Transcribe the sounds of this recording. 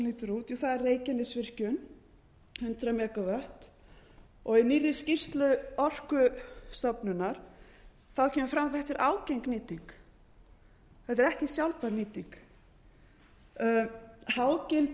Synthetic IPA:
niːt̪ʏɾuːt̪juθaðɛrreːjcɪnɪsvɪr̥cʏn | hʏnt̪ɾamɛːkavœht̪ | ɔɣiniːrːɪ̥scir̥t̪lʏɔr̥kʏst̪ɔpnʏnːaɾ̥ | θacʰɛːmʏfɾamaθɛht̪ɪɾʔaːwcejŋkniːt̪iŋk | θɛt̪ɛɾɛhcɪsjawlpaɾniːt̪iŋk | haːwcɪlt̪

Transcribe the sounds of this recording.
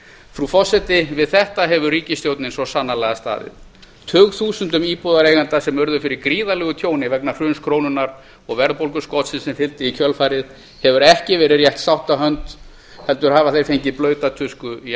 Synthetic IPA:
fɾufɔsɛt̪ɪvɪðθɛht̪aɦɛvʏriːcɪst̪jowt̪nɪnsɔsanːalɛɣast̪a̰ːðɪ̰ð | t̪ʰœːɣθuːsʏnt̪ʏmiːpɔðaɾeːjɣant̪asɛmœɾðʏfɪɾɪɾkɾiːðalɛɣʏt̪ʰjoːwnɪvɛknar̥ʏːnskʰɾoːwnʏnaɾ | ɔɣvɛɾðpowlkʏskɔwt̪sɪnsɛmfɪlt̪ɪicʰœlfaːɾɪð | hɛvʏɾɛhcɪvɛːɾɪrjɛht̪sawht̪aɦœnt̪ | hɛl̪t̪ʏɾɦaːvaθejɾ̥fejɲcɪplœːɥt̪at̪ʰʏskʏi

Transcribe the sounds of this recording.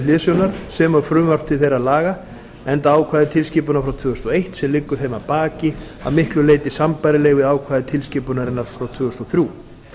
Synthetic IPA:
lɪːsjownaɾ̥sɛmawfɾʏːmvawr̥t̪ʰɪθejɾaðlaːɣa | ɛnt̪aaːwkʰvaːðɪt̪ʰɪlsciːpʏnaɾfɾawt̪ʰv̥ʏːɣʏst̪ɔejht̪sɛmlɪkːʏ̥θejmapaːcɪ | a̰ðmɪhklʏleːjt̪ɪsampajɾɪleːjɣvɪðaːwkʰvaːðɪt̪ʰɪlsciːpʏnaɾɪnaɾ̥fɾawt̪ʰvʏːɣʏst̪ɔθɾju

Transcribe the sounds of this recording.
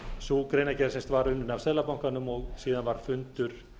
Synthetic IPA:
sukɾeːjnacɛɾsenst̪vaɾʏnːʏnav̥sɛːlapawŋ̥kanʏmɔɣsiːðanvaɾ̥fʏnt̪ʏɾ̥

